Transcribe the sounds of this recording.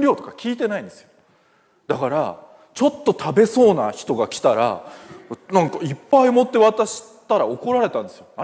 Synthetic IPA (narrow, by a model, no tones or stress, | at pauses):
ɾʲo̞ːt̪o̞̥kakʲiːt̪e̞naĩnd̪e̞sɨjo | d̪̥akaɾa | t͡ɕo̞t̪ːo̞t̪ʰabe̞so̞ːnaçi̥t̪o̞ɡakʲi̥t̪aɾa̰ | nãŋkaipːaimo̞t̪ːe̞βat̪aɕi̥ | t̪aɾao̞ko̞ɾaɾe̞t̪ãnd̪e̞sɨjo̞na